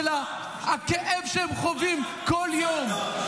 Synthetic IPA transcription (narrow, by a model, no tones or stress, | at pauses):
la | akeʔevʃeemχovim | koljom